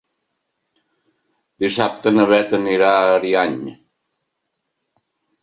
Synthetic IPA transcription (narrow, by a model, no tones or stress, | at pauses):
d̪isap̚t̪ənəβɛt̪əniɾaɾiaɲ